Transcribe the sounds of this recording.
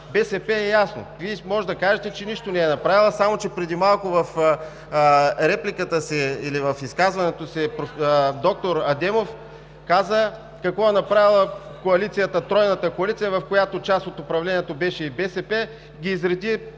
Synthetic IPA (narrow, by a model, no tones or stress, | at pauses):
bɛsɛpɛɛjasno̰vimɔʒɛd̪ɐkaʒɛt̪ɛt͡ʃɛniʃt̪onɛɛnɐpɾavilˠəsamot͡ʃɛpɾɛd̪imalˠkʊvɐf | ɾɛplikət̪əsɛilivɐfiskazvɐnɛt̪osɛpɾd̪ɔk̚t̪oɾɐd̪ɛmof | kazə | kɐkvɔɛnɐpɾavilˠəkoɐlit̪sijət̪ət̪ɾɔjnət̪əkoɐlit̪sijəvɐfkojat̪ot͡ʃasot̪ʊpɾɐvlɛniɛt̪obɛʃɛibɛsɛpɛ | ɡʲiːzɾɐd̪i